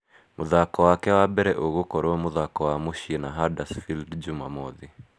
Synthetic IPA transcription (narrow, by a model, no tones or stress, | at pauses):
muðakɔwakɛwabɛɾɛʔoɣukɔɾwɛmuðakɔwamuʃinaɦadasfildd͡ʒumamɔði